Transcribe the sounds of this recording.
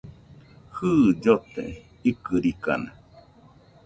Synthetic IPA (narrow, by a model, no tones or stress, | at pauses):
hɨd͡ʒot̪ḛ | ikɨɾika̰na